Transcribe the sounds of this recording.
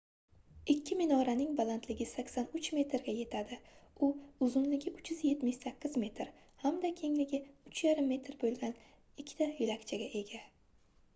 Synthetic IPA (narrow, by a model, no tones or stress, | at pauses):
ɪkʲʰːɪmɪnɒɾanɪŋbalˠant̪ʰlɪɡʲɪsakʲsanʊt͡ʃme̞t̪ɾɡʲaje̞t̪ʰad̪ɪʊʊzʊnlɪɡʲɪʔʊt͡ʃʰjʏzje̞t̪mɪʃsakʲːɪzme̞t̪ʰɾ | hamd̪akʲʰe̞ŋlɪɡʲɪʊt͡ʃʰjaɾɪmːe̞t̪ʰɾbolˠɡʲan | ɪkʲʰːɪ̥t̪ʰajɪlakʲt͡ʃʰaɡʲaʔe̞ɡʲa